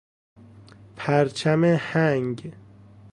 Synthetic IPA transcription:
pʰæɾt͡ʃʰæmehæŋɡ

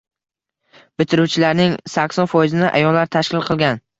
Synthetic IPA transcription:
b̥ɪt̪ʰɪɾuwt͡ʃʰɪlaɾnɪŋsakʲsɒnfɒjɪzɪnɪʔa̰jɒlːaɾt̪ʰaʃkʲɪlˠqʰɨlˠɡʲan

